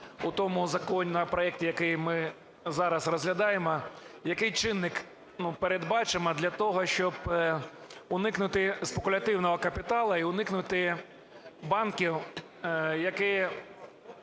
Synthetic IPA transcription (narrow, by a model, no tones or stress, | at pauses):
ʊt̪ɔmʊzɐkɔnʲːɐpɾɔjɛk̚tʲijɐkɪjmɪ | zɑɾɐsrɔzɦlʲɐd̪ɑjemɔjɐkɪjt͡ʃɪnːɪk | nupeɾed̪bɑt͡ʃɪmɔd̪lʲɐt̪ɔɦɔʃt͡ʃɔb | ʊnɪknʊt̪ɪspekʊlʲɐt̪ɪwnɔɦɔkɐpʲɪt̪ɑlˠɐiʊnɪknʊt̪ɪ | bɑnkʲiw | jɐkɪ